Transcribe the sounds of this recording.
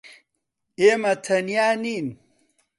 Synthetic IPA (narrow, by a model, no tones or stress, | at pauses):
emɐt̪ʰɐnijaːnin